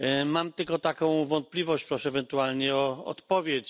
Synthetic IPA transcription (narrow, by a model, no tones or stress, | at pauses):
mamt̪ɘlkɔt̪akɔ̃w̃vɔnt̪̚plʲivɔɕt͡ɕpɾɔʂɛːvɛnt̪ualɲɛɔɔ̰t̪pɔvʲjet͡ɕ